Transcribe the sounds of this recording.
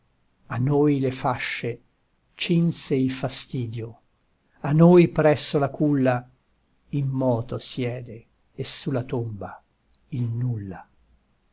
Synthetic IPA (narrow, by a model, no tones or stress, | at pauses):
anːojlefaʃːe | t͡ʃinseilfast̪iːd̪jo | anojpɾɛsːolakulːa | ilmɔːt̪osjɛːd̪eː | sːulat̪omba | ilnulːa